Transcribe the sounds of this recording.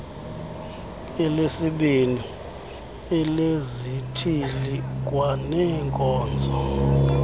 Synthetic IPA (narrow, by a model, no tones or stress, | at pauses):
ɛlesiɓini | ɛlezitʰilik̬ʼwanɛŋkʼɔːnd͡zʱɔ